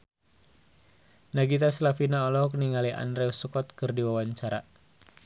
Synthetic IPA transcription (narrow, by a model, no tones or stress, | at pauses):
naɡit̪aslafinaɔlɔhɔk̚niŋaliʔa̰ndɾɛusukɔt̪̚kɨrdiwawaɲt͡ʃaɾa